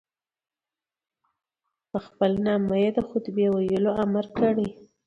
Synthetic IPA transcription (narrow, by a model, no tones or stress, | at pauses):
pəxpəlnɑməjed̪əxʊt̪əbewajəloamaɾkəɽi